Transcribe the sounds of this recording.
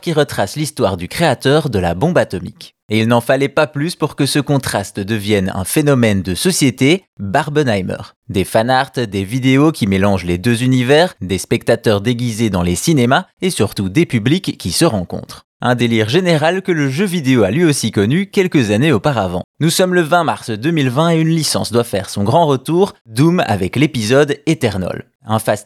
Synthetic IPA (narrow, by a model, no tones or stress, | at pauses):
kʲiʁət̪χaslist̪waʁd̪ykχeat̪œːʁd̪əla̰bɔ̃bat̪ɔmḭk | eilnɑ̃falɛpaplyspuʁkəsəkɔ̃t̪χast̪d̪əvjɛnɛ̰̃fenɔmɛnd̪əsɔsjet̪e | baʁbənajmœ̰ːʁ | d̪efanaʁt̪d̪evid̪eokʲimelɑ̃ʒled̪øzynivɛːʁd̪espɛk̚t̪at̪œʁd̪eɡʲized̪ɑ̃lesinemaesyʁt̪ud̪epyblikʰʲːisəʁɑ̃kɔ̰̃t̪χ | ɛ̃d̪eliʁʒeneʁalkələʒøvid̪eoalɥiosikɔnykʲɛlkəzaneopaʁavɑ̰̃nusɔmləvɛ̃maʁsd̪ømilvɛ̃eynlisɑ̰̃sd̪wafɛʁsɔ̃ɡʁɑ̃ʁət̪uːʁd̪uma̰vɛklepizɔd̪et̪ɛʁnɔ̰l | ɛ̃fast̪